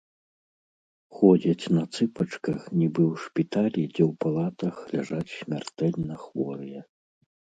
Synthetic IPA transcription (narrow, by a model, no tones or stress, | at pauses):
xɔd͡zʲɐt͡sʲnɐt̪sɨpɐt͡ʂkɐxnʲibɨwʂpʲit̪alʲid͡zʲɛwpalˠat̪ɐxlʲaʐat͡sʲsʲmʲa̰rt̪ɛlʲnɐxvɔɾɨjɛ